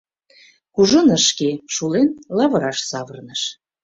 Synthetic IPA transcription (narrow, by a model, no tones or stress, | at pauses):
kuʒɤnəʃkeʃulenlɑβɤ̆ɾɑʃsɑβɤrnəʃ